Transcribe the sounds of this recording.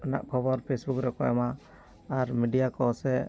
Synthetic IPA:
ɔna̰ʔkʰɔbɔɾpʰesbukɾɛkɔɛ̰ma | aɾmiɖijakɔsɛ

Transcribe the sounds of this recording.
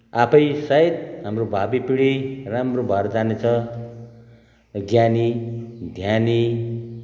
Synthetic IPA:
apʰʌjsait̪̚ɦamrobʱabipiɽiramrobʱʌɾd͡zanet͡sʰʌ | ɡʱjanid̪ʱjani

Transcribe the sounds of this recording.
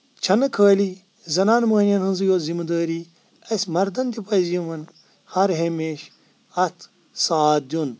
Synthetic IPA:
t͡ʃʰɐnɐkʰəːliː | zɐnaːnmɐːnʲjɐnhɨnzɨjoːzimɐd̪ɐːɾiː | ɐsʲmɐɾd̪ɐnt̪ipɐzijɐʋɐn | hɐɾɦemeːʃ | ɐt̪ʰ | saːt̪̚d̪ʲjun

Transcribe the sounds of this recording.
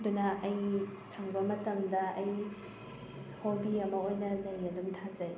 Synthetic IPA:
dunaʔɐjt͡ʃʰɐŋbɐmɐtɐmdɐɐj | hobiɐmɐojnɐlɐjɐdumtʰazɐj

